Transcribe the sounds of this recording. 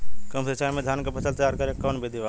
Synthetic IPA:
kəmsət͡ʃaːjmed̪ʱjaːnkepɐsʰəlt̪jaːɾkɐɾekːɔːnbʱid̪ʱiʋa

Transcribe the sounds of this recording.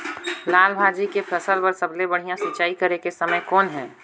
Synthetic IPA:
laːlbʱaːd͡ʒikepʰɾɐsəlpɐɾsɐblebɐɽ̤ijãsɪtːt͡ʃaːikəɾekesɐməjkɔːnɦɛ̰ː

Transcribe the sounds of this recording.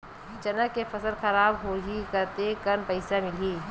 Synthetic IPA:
t͡ʃɐnəkːefɐsəlxɐɾaːbɦoːɦikɐɾt̪ekɐnpɐɪsamɪliː

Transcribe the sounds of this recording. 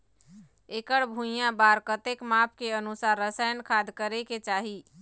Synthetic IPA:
ekəɽbʱũjãbaɾkət̪ekmap̚ʰkeənusaɾːəsajənkʰad̪kəɾeket͡ʃaɦi

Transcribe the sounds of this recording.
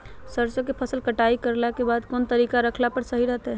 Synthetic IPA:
səɾt͡ʃəkepʰəsəlkəʈaikəɾlakebad̪kont̪əɾikaɾəkʰlapəɾsəɦiɾəɦt̪ɦɛ

